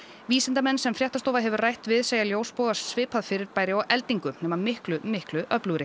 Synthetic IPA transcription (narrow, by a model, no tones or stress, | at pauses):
viːsɪnt̪amɛnːsɛmfɾjat̪ast̪oːwvaðɦɛvʏɾrajht̪vɪðseːjaljoːwspoːwɣasːvɪːpʰaðfɪɾɪɾpaːjɾɪawʔɛlt̪iŋkʏnɛːmamɪhklʏmɪhklʏʔœplʏɾɪ